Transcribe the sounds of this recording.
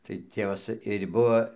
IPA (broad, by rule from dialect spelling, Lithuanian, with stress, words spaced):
tɐɪ ˈtʲeːʋɐs ɪrʲ ˈbuɔ